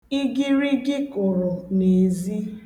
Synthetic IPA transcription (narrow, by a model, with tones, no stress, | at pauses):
ɪ˦ɡɪ˦ɾi˦ɡɪ˦kʊ˨ɾʊ˨ne˨zi˦